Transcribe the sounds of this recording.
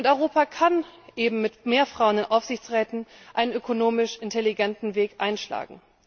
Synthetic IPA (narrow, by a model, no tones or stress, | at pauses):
ʊntɔʏʁ̞oːpakʰanʔeːbm̩mɪtmeːɐfʁ̥aʊənɪnʔaʊfz̥ɪçt͡sʁɛːtn̩ʔaɪnənʔøkonoːmɪʃʔɪntʰeliɡɛntn̩veːkʔaɪnʃla̰ːɡŋ̩